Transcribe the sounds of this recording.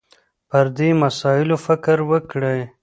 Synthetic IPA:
pəɾd̪emasɑɪlofɪkɾwəkɽəj

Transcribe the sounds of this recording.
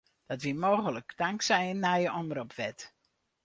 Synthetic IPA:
d̥ɔtʋimoːɣələkdaŋksɛjnːajəɔndəɾɔpʋɛt

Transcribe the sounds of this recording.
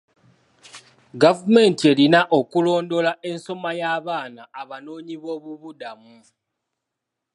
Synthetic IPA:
ɡavume̞ːntie̞linaʔo̞kulo̞ːndo̞lae̞nso̞majaːβaːnaːβano̞ːɲiβo̞ːβuβudamu

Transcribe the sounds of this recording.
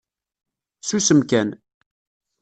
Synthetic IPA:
susəmkæn

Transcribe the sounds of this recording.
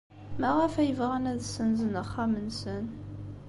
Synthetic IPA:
mæʁæfæjəvʁanæðsənzənəχamənsən

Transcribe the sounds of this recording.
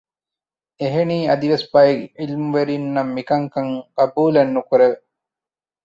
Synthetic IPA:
eɦeniːɐd̪iʋesbajeɡilmuʋeɾinːɐmːikɐŋkɐŋɡɐbuːlenːukuɾeʋe

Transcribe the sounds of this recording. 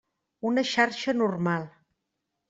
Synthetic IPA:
unəʃarʃənurmalˠ

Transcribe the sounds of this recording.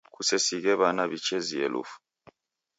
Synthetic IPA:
kusɛsiɣɛβanaβit͡ʃɛziɛ̰lṵfu̥

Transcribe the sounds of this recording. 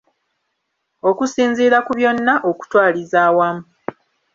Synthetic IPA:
o̞kusiːnziːɾakuβjo̞nːaʔoku̥twaːlizaːwamu

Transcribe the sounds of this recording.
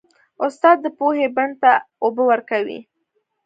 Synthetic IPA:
ʊst̪ɑd̪̚ːəpoheband̪̚t̪a | obəwəɾkawḭ

